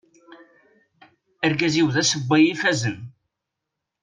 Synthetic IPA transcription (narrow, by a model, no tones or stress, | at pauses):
əɾɡæziwðæsəbːajifæzən